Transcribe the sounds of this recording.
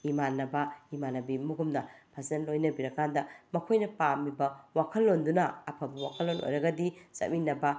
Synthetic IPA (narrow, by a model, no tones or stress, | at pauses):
imanːɐbɐimanɐbimuɡumnɐpʰɐsenlojnɐbiɾɐkandɐmɐkʰojnɐpamibɐwakʰɐlːondunɐːpʰɐbɐwakʰɐlːono̰jɾɐɡɐdisɐ̰t̚minːɐbɐ